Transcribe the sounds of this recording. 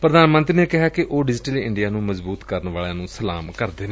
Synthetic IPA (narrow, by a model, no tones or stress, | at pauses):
pɾəd̪aːnmə̃nt̪ɾiːneːkɪɦaːkɪʔoːɖɪd͡ʒɪʈəliːɪɳɖijaːnũːməzbuːt̪kəɾənʋaːɭjãːnũːsəla̰ːmkəɾd̪eːneː